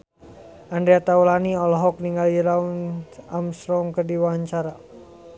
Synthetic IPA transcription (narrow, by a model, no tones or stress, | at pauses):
ʔandɾeat̪aulaniɔlɔɦɔk̚niŋɡalɾaunamsɾɔŋkərdiwaɲt͡ʃaɾa